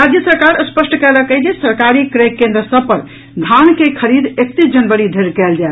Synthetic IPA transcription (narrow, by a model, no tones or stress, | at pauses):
ɾad͡ʒjəsəɾkaɾəspəsʈkɛləkəɦd͡ʒesəɾkaɾikɾekːẽnd̪ɾəsəb̚pəɾ | d̪ʱankekʰəɾid̪ekt̪id͡ʒənbəɽid̪ʱeɾkɛld͡ʒae